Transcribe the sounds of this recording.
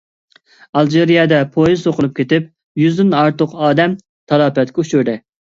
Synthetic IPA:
ɑlˠd͡ʒeɾijɑd̪ɛpʰojizsoqəlˠup̚kʲʰet̪ɪp̚ | jyzd̪ɪnɑɾt̪ʊqɑːd̪ɛm | t̪ʰɑlˠɑːpɛt̪kʲɛuʃuɾd̪ɪ

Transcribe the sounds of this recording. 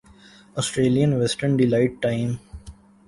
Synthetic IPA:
ɔːsʈɾeːlijə̃nʋɛsʈəɾnɖɪlaɪʈ̚ʈãɪ̃m

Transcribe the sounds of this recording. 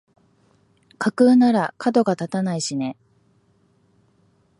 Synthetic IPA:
kʰakɯ̟ːnaɾakʰad̪o̞ɡat̪at̪anaiɕine̞

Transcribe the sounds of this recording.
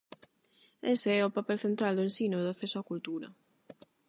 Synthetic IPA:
eseɛʊpapɛlθent̪ɾald̪ʊẽnsinoðaθɛsoakult̪uɾɐ̰

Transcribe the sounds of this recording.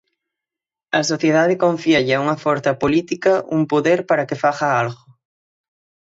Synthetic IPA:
ɐsoθjeðaðɪkoɱfiaʎauŋɐfoɾθɐpolit̪ikɐʔumpoðeɾpaɾɐkefaɣaalɣʊ

